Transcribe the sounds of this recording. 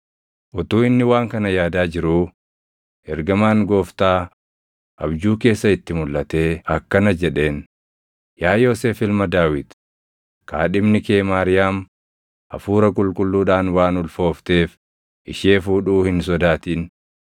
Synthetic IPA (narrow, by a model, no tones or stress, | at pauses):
ʔʊt̪uːɪnːɪwaːŋkɐnɐjaːd̪aːd͡ʒɪɾuː | ɛɾɡɐmaːŋɡo̞ːft̪aː | ʔɐbd͡ʒuːke̞ːsːɐɪt̪ːɪmʊlːʔɐt̪e̞ːɐkːɐnɐd͡ʒɛᶑe̞ːn | jaːjo̞ːseːfɪlmɐd̪aːwɪd̪ | ka̰ːᶑɪmnɪke̞ːmaːɾɪjaːm | ʔɐ̰fuːɾɐkʼʊlkʼʊlːuːᶑaːnwaːnʊlfo̞ːft̪e̞ːf | ʔɪʃeːfuːᶑuːhɪns̬ɔd̪aːt̪iːn